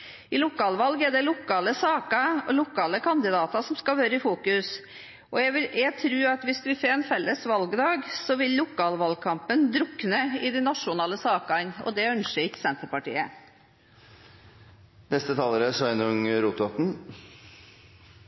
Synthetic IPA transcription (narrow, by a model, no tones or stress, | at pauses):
ɪlʊkɑːlʋɑlɡɛɖɛlʊkɑːləsɑːkɑlʊkɑːləkʰɑnd̪ɪd̪ɑːt̪ɑsɔmskɑʋøːɾəɪfuːkʉs | ɔɛɪjæɡt̪ʰɾʉːɑt̪ʋɪsʋɪseɾɛnfɛlːəsʋɑlɡd̪ɑːɡsɔʋɪlːʊkɑːlʋɑlɡ̚kʰɑmpənd̪ɾʊknəɪd̪ɛɪnɑʂʊnɑːləsɑːkɑnɔ̰d̪ɛœnʂəɪkːsɛnt̪əɾpɑʈḭːə | nɛst̪ət̪ʰɑːləɾəsɔɛnʉŋɾuːt̪ɔt̪n̩